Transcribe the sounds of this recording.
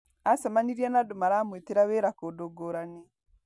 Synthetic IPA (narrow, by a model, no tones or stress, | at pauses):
asamaniɾianadomaɾaːmweteɾaβeɾakodoɡoɾane